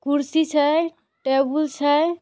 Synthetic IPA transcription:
kuɾsit͡ʃʰə | ʈebult͡ʃʰəj

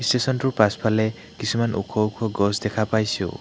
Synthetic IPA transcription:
stesɔntuɹpaspʰalɛ | kisumanṵkʰɔukʰɔɡɔsdɛkʰapajsṵ

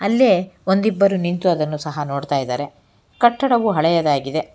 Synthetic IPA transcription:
ɐlːeːond̪ibːɐɾunint̪uɐd̪ɐnːusɐɦɐno̞ːɖt̪aːjd̪aːɾe̞ | kɐʈːɐɽɐʋuɦɐɭɛjɐd̪aːɡid̪e

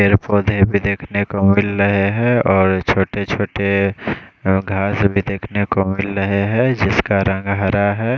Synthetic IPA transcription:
eɾpoːd̪ʱebʱid̪eːkʰnekomɪlɾəɦeɦɛ̃ɔːɾt͡ʃʰoːʈet͡ʃʰoːʈe | ɡʱaːsbʱid̪eːkʰnekomɪlɾəɦeɦɛ̃d͡ʒɪskaɾə̃ŋɡɦəɾaɦɛː

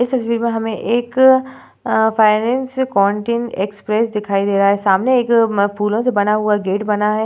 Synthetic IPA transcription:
ɪst̪ɐsʋiːɾmẽɦɐmẽʔeːk | faːɪnɛ̃ːnskɔːɳʈiːneːkspɾeːsd̪ɪkʰaːid̪eːɾɐɦaɦɛsaːmneeːkpʰuːlõsebɐnaɦʊaɡeːʈbɐnaɦɛː

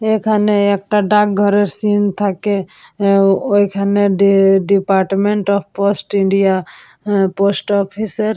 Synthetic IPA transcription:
ekʰaneek̚ʈaɖak̚ɡʱɔɾeɾsint̪ʰake | ojkʰaneɖipaɾʈmeɳʈɔp̚ʰposʈiɳɖija | posʈɔpʰisəɾ

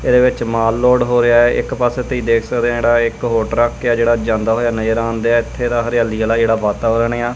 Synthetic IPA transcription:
ɪd̪eːʋɪt͡ʃmaːlːoːɽɦoːɾɪjaːɛːʔɪkpaseːt̪eiːd̪eːkʰsəkd̪ẽãːd͡ʒeːɽaːɪkɦoːʈɾəkːjaːd͡ʒeːɽaːd͡ʒãːnd̪aːɦoːjaːnəd͡ʒəɾãːnd̪eaːɪt̪ʰːeːd̪aːɦəɾɪjaːliːəlaːd͡ʒeːɽaːʋaːt̪aːʋəɾəɳeːaː

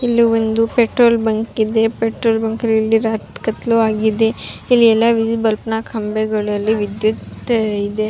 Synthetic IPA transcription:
ilːiond̪upeʈɾoːlbɐŋkid̪e̞peʈɾoːlbɐŋkɐlilːiɾaːt̪kɐt̪luaːɡid̪e̞ilːiɛlːaʋid͡ʒibɐlpnaːkʰɐmbeɡɐɭɐlːiʋid̪jut̪id̪e̞

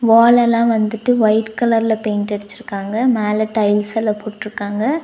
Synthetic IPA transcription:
ʋaːlɛlːãːʋɐnd̪ɯʈːɯʋɐɪʈkɐlɐɾɪlɐpeːnʈɛɽɪt͡ʃːɪɾɯkːaːŋɡɐmeːlɐʈɐɪlsɛlːɐpoːʈːɪɾɯkːaːŋɡɐ

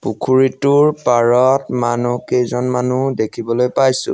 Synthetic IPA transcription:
pukʰuɹitʊɹpaɹɔtmanukejzɔnmanudekʰibɔlojpajsʊ̰̃

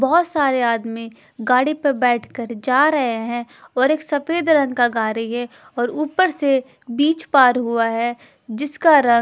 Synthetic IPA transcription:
bɔɦɔt̪saːɾeaːd̪mĩ | ɡaːɽipəɾbɛːʈʰkəɾd͡ʒaːɾɐɦeɦɛ̃ɔːɾeːksɐfeːd̪ɾɐ̃ŋkaɡaːɾiɦɛ | ɔːɾuːpəɾse | biːt͡ʃpaːɾɦʊaɦɛ | d͡ʒɪskaɾɐ̃

